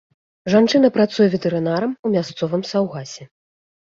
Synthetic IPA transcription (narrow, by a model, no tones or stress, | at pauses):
ʐant͡ʂɨn̪ɐpɾat̪sujɛvʲɛt̪ɛɾɨnaɾɐmumʲast̪sɔvɨmsawɣasʲɛ